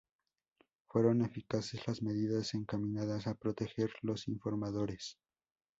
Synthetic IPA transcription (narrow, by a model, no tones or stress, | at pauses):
fwe̞ɾo̞ne̞fikase̞zlazme̞ðiðase̞ŋkamĩnaðasapɾo̞t̪e̞xe̞ɾlo̞siɱfo̞ɾmaðo̞ɾe̞s